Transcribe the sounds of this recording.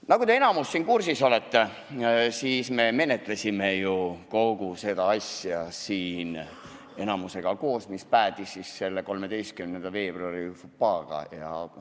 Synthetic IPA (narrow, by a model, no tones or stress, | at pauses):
nɑkud̪ee̞nɑmusːiːnkursiso̞let̪ːe | siːsme̞me̞ne̞t̪ˑlesʲime̞juko̞ɡ̥use̞d̪̥ɑɑsjɑsiːn | e̞nɑmuse̞ɡ̥ɑko̞ːsmispæːd̪̥isːisse̞lːeko̞lme̞d̪ejst̪̚kymnend̪̥ɑve̞ːb̥ruɑɾifupːɑːɡ̥ɑ̰jɑ̰